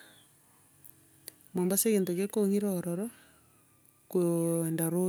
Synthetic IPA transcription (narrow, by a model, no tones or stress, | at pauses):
mombaseɣeːntokekoŋiɾɔːɾɔɾɔ | kondaɾo